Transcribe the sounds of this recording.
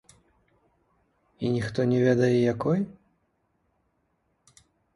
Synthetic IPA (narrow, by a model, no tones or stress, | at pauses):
inʲixt̪ɔnʲɛvʲɛd̪ɐjɛjakɔj